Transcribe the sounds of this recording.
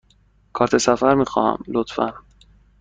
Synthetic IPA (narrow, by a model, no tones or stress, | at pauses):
kʰɒːɾt̪ʰe̞sæfæɾmiːxɒ̰ːhæ̰mlot̪fæ̰n